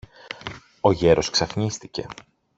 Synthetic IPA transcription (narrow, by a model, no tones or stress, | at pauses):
o̞ʝe̞ɾo̞sksɐfɲist̪ice̞̰